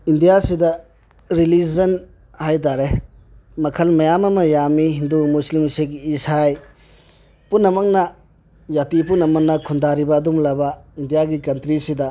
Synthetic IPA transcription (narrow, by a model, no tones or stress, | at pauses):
indijasidɐ | ɾilizɐn | hajt̬aɾe | mɐkʰɐlmɐjamɐmɐjamiɦindumuslimsekisaj | punːɐmɐk̚nɐ | jatip̬unːɐmɐk̚nɐkʰundaɾibɐːdumlɐbɐindijaɡikɐntɾisidɐ